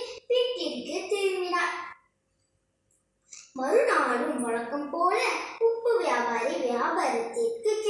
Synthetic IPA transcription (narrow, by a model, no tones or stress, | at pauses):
pɪʈːɪŋkɯt̪ɛɾɪʋɪnaː | mɐðɯnaːɽɯmːɔɻɐkːɐmpoːlɐʊpːɯʋɪjaːbaːɾɐʋɪjaːbaːɾɐt̪ːɪkːɯt̪ːɪ